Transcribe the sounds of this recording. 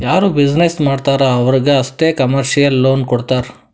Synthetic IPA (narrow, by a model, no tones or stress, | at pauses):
jaːɾuːbid͡ʒnesmaːɖt̪aːɾaɐʋɐɾiɡeɐst̪eːkɐmɐɾʃijɐlːoːnkɔɽt̪aːɾ